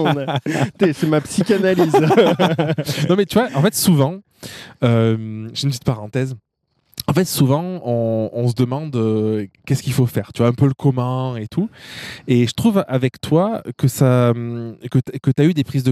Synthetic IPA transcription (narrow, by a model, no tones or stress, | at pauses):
t̪esɛmapsikʲanaliz | nɔ̃mɛt̪yvwaʔɑ̃fɛt̪suvɑ̃ | ømʒ̥ynpt̪it̪paʁɑ̃t̪ɛz | ɑ̃fɛt̪suvɑ̃ɔ̃ɔ̃s̬əd̪əmɑ̃d̪økʲɛskʲilfofɛːʁt̪yvwaɛ̃pøləkɔmɛ̃et̪ʰueʒət̪χuvavɛkt̪wakəsamkəkət̪yayd̪epχizd̪ə